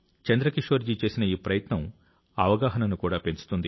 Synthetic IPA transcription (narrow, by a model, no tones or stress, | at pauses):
t͡ʃɐnd̪ɾɐkiʂʋɐɾd͡ʒit͡ʃe̞ːsinɐiːpɾɐjɐt̪nɐm | ɐʋɐɡaːɦɐnɐnukuːɽaːpe̞nt͡ʃu̥t̪und̪i